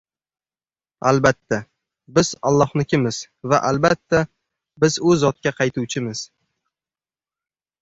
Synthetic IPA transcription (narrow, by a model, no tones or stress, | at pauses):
albat̪ʰːa | bɪz̥alˠːɒhnɪkʲʰɪmɪz̥ | vaʔalbat̪ʰːa | bɪzʊzɒt̪̚kʲaqʰɑjt̪ʰuwt͡ʃʰɪmɪz̥